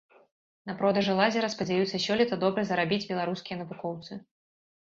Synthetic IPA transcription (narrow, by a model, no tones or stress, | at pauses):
nɐpɾɔd̪ɐʐɨlˠazʲɛɾɐspɐd͡zʲajut̪sːɐsʲɔlʲit̪ɐd̪ɔbɾɐzɐɾabʲid͡zʲbʲɛlˠaɾuskʲijɐnɐvukɔwt̪sɨ